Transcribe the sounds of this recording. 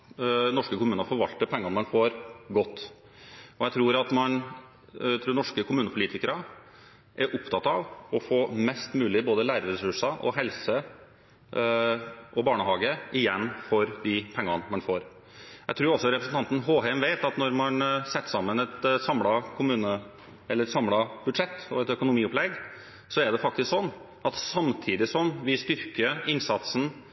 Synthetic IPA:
nɔʂkəkʰʊmʉːnəɾfɔɾʋɑlt̪əpʰɛŋːɑnmɛnfoːɾɡɔt̪ː | ɔjæɪt̪ʰɾuːɾɑt̪mɑn | t̪ʰɾuːnɔʂkəkʰʊmʉːnəpʰʊliːt̪ɪkəɾə | ʔɛɾʔʊpt̪ʰɑt̪ɑʋɔfoːmɛst̪mʉːlɪboːd̪əlæːɾəɾɛsʉʂɑʔɔ̰ɦɛlsə | ʔɔbɑːɳəhɑːɡəɪjɛnːfɔɾd̪ɪpʰɛŋːɑnmɑnfoːɾ | jæt̪ʰɾʉːɾɔsːɔɾɛpɾəsn̩t̪ɑnt̪n̩ɦoːhɛmʋeɪt̪ɑt̪nɔɾmɑnsɛt̪ːsɑmːənɛt̪sɑmlɑkʰʊmʉːnə | ɛlːəɾɾsɑmlɑb̥ʉd̪ʂɛt̪ːɔɛt̪œkʊnʊmiːʊplɛɡ | sɔɛɖɛfɑk̚t̪ɪsksɔnː | ɑt̪sɑmt̪ʰiːd̪ɪsɔmʋɪst̪ʏɾkəɪnsɑt̪sn̩

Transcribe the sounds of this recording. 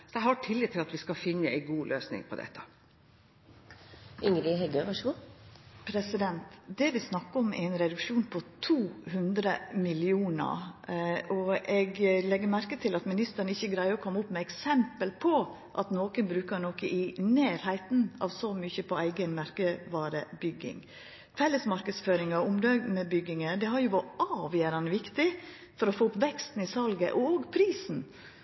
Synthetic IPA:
sɔjæɪhɑʈʰɪlːɪːt̪ʰːɪlɑt̪ʋɪskɑfɪnːəæ̰ɪɡuːlʔøːsnɪ̰ŋpʰɔ̰d̪ɛ̰t̪ːə̥ | ʏŋɾɪɦɛɡøʋɑʂəɡuːpʰɾɛsɪd̪ɛnt̪d̪ɛʋɪsnɑkːəɔmʔæɪnɾɛd̪ʉkʂuːnpʰɔt̪ʰuːhʉnd̪ɾəmɪlɪuːnə̰ɾ | ɔʔɛɡlɛɡːəɾmæɾkət̪ʰɪlɑt̪mɪnɪst̪əɾɳəɪçːəɡɾæɪəɔkʰɔmːʊpːmɛɛksɛmpəlpʰɔ | ʔɑt̪noːkənbɾʉːkəɾnoːkəʔɪneːɾhæɪt̪n̩ɑ̰ːʋsɔmyçəpʰɔæɪɡənmæɾkəʋɑːɾə̰bʏɡɪ̰ŋ | fɛlːəsmɑɾkəsføːɾɪŋɑʊmd̪ɑnəbʏɡɪŋəd̪ɛɦɑɾjʊʋɑɑːʋjøːɾɑnəʋɪkt̪ɪ | fɔɾɔfoːʊpʋɛkst̪n̩ɪsɑlɡə̰ʔɔoːɡpʰɾiːsn̩

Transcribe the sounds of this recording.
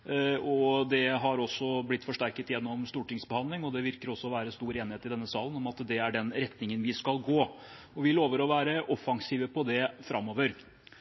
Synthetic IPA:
ɔd̪ɛɦɑɾɔsːɔblɪt̪ːfɔʂʈæɾkət̪jɛnːɔmst̪uːʈɪŋsbəhɑnd̪ɪŋɔd̪ɛʋɪɾkəɾɔsːɔʋæːɾəst̪uːɾeːnɪheːt̪ɪd̪ɛnːəsɑːlənɔmɑt̪d̪ɛæɖɛnɾɛt̪nɪŋənʋɪskɑlɡoː | ɔʋɪloːʋəɾɔʋæːɾəʔɔfɑŋsiːʋəpʰɔd̪ɛfɾʔɑmːoːʋəɾ

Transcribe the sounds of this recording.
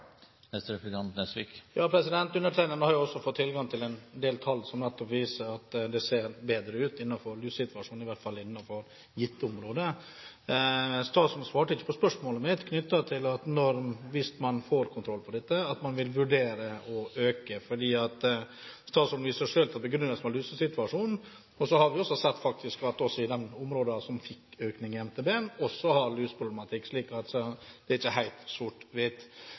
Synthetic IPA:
ɛst̪ɾɛfəɡɑnt̪nɛsʋikjɑːpʰɾɛsɪd̪ɛnt̪ʉnːəʈʰɾæɪnənhɑɾjʊɔsːɔfɔt̪ʰːɪlɡɑŋt̪ʰɪlɛnd̪eːlt̪ʰɑlːsɔmnɛt̪ːɔpʋiːsəɾɑt̪d̪ɛseːɾbeːd̪ɾəʉːt̪ɪnːɑfɔɾʉːsɪt̪ʋɑʂuːnɪʋæʈ̪fɑlːɪnːɑfɔɾ | jɪt̪ːəʊmɾoːd̪ə | st̪ɑːt̪sʊɳsʋɑːʈəɪçːə̥pʰɔspœʂmoːləmɛd̪kʰnʏt̪ːɑt̪ʰɪlɑt̪nɔɾʋɪst̪mɑnfoːɾkʰʊnt̪ʰɾɔlːpʰɔd̪ɛt̪ːəɑt̪mɑnʋɪlʋʉɖeːɾəɔʔøːkəfɔɖiːɑt̪ | st̪ɑːt̪sʊnʋiːsəʂøːlt̪ʰɑt̪bəɡɾʏnːəsmɑlyːsəsɪt̪ʉɑʂuːnn̩ | ɔsɔhɑɾʋɪɔsɔsɛt̪ːfɑk̚t̪ʰɪskʋæʈɔsɔɪd̪ɛnʊmɾoːd̪ɑsɔmfɪkːøːknɪŋɪɛmt̪ʰeːbeːnɔsːɔhɑɾlyːsə̥pʰɾʊblɛmɑt̪ʰɪkːsliːkɑt̪sɔd̪̥ɛɾɪt͡ʃːəhæɪt̪suʈʋɪt̪

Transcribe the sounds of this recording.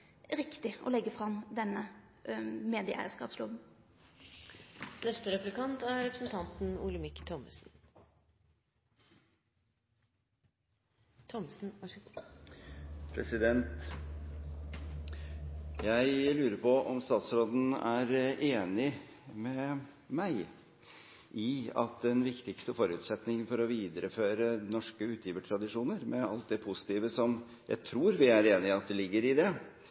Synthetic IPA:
ɾɪkt̪ɪʔɔ̰lɛɡəfɾɑmd̪ɛnːə | meːd̪ɪʔæ̰ɪəskɑ̰ːpslʊbən̩ | nɛst̪əɾɛplɪkɑnt̪æɾɛpɾəsn̩t̪ʰɑnt̪n̩uləmɪkːt̪ʰɔmə̰sn̩ | t̪ʰɔmsn̩ | pʰɾɛsɪd̪ɛnt̪ | jæɪlʉːɾəɾpʰɔɔmst̪ɑːt̪sɾoːd̪n̩æ̰ɾʔeːnɪ | mɛ | mæɪ | ʔɪɑ̰t̪̚d̪ɛnʋɪkt̪ɪkst̪əfɔɾʉːt̪sɛt̪nɪŋfɔɾɔʋiːd̪əɾəføːɾənɔʂkəʉːt̪ʰjiːʋəʈʰɾɑd̪ɪʂuːnəɾmʔɛɑlt̪̚d̪ɛpʰʊsɪ̥t̪iːʋəsɔm | jæ̰ɪt̪ʰɾuːɾʋɪæɾeːnɪɪɑt̪̚d̪ɛlɪɡːəɾɪd̪ɛ

